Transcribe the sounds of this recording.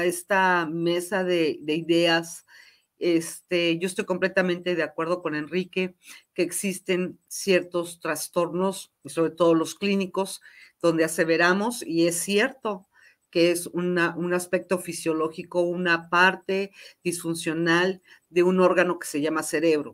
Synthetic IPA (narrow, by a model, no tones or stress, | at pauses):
est̪ame̞saðeðe̞iðe̞as | e̞st̪eʝo̞est̪o̞jkomple̞t̪amẽnt̪e̞ðeakwe̞ɾð̞o̞ko̞ne̞nrike̞ke̞ːksist̪e̞nsje̞ɾt̪o̞st̪ɾast̪o̞ɾno̞z | iso̞βɾe̞t̪o̞ðo̞lo̞skliniko̞zð̥o̞nd̪ease̞βe̞ɾamo̞sie̞sːje̞ɾt̪o̞ | keesunaʔunaspe̞k̚t̪o̞fisjo̞lo̞xiko̞unapaɾt̪e̞ð̥isfunsjo̞nald̪e̞uno̞ɾɣano̞ke̥se̞ʝamase̞ɾe̞β̞ɾo̞